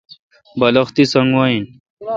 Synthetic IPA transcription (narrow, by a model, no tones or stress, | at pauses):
bɐlɐxt̪isɐŋɡwaːin